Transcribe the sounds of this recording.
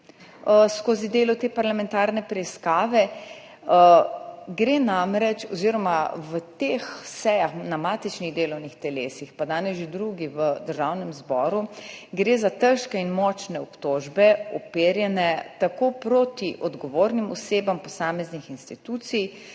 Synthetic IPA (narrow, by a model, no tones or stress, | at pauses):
əskoːzid̪eːlɔt̪eːpaɾlamɛ̃nt̪aːɾnɛpɾɛiskaːʋɛ | ɡɾeːnamɾɛt͡ʃɔziɾɔmaʋət̪exsɛjaxnamaːt̪it͡ʃniɣd̪eːlɔwnixt̪ɛlḛːsixpad̪aːnɛsʒed̪ɾuɡiʋəd̪əɾʒaːwnɛmzbɔːɾuɡɾeːzat̪əɾʃkɛinmɔt͡ʃnɛɔpt̪oːʒbɛɔpeːɾjɛnɛt̪akopɾot̪iʔɔd̪ɡɔʋoːɾnimɔseːbampɔsaːmɛznixinst̪it̪uːt̪sij